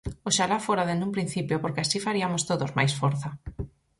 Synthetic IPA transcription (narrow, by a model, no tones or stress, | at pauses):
oʃalafoɾaðend̪umpɾin̟θipjopoɾkeasifaɾiamost̪oðozma̰jsfoɾθa